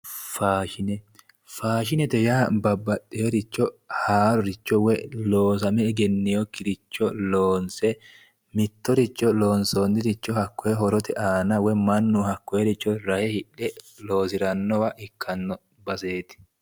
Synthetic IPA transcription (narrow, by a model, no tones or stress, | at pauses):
faːʃɪnɛ | faːʃɪnɛt̪ɛjaːbɐbːɐtʼːeɔɾɪt͡ʃːɔhaːɾɔɾɪt͡ʃːɔwɛloːs̬ɐmɛɪɡɛnːɪjɔkɪɾɪt͡ʃːɔloːnsɛ | mɪt̪ːɔɾɪt͡ʃːɔloːnsonːɪɾɪt͡ʃːɔhɐkːɔjɛɦɔɾɔt̪ɛʔaːnɐwɛmɐnːʊhɐkːɔjɛɾɪt͡ʃːɔɾɐhɛhɪᶑːɛ | loːs̬ɪɾɐnːɔwɐʔɪkʰːɐnːɔ | bɐseːt̪ɪ̥